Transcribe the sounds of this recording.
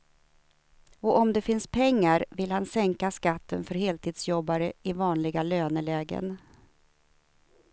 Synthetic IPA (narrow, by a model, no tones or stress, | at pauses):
ɔʔɔmd̪ɛfɪnspʰɛŋːaɾvɪlhansɛŋkaskat̪ʰːənfœɾheːlt̪ʰiːd̪sjɔbːaɾəɪvɑːnlɪɡaløːnəlɛːɡə̰n